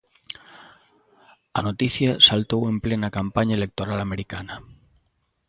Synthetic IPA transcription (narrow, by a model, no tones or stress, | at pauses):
anot̪iθjasalt̪owemplenakampaɲaelek̚t̪oɾalameɾikana